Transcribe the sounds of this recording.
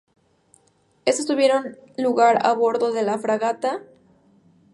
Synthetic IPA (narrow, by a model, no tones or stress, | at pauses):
estost̪uβje̞ɾo̞nluɣaɾa̰βo̞ɾðo̞ðe̞lafɾaɣat̪a